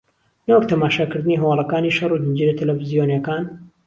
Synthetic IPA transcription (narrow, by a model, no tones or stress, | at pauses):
nɐwok̚t̪ʰɐmaːʃaːkɨɾd̪ɨniːɦɐwɑlˠɐkaːniʃɐrˤud̪ɨnd͡ʒiɾɐt̪ʰɐlɐfizijonjɐkaːn